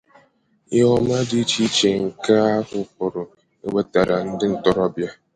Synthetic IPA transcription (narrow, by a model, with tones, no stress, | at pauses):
ɪ˦ɔ˦m˦a˦di˦t͡ʃi˦t͡ʃe˨ŋ̩˨ka˦a˦hʊ˦p̚ʊ˨ɾʊ˨ | e˦ɡ͡be˦ta˨ɾa˨n̩˦dɪ˦n̩˦tɔ˨ɾɔ˦bja˦